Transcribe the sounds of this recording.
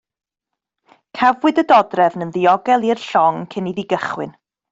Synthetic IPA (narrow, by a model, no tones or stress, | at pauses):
kʰavwɪdədɔdrɛvnənðɪɔɡɛlˠirɬɔŋkʰəniðiɡəχwɪ̰n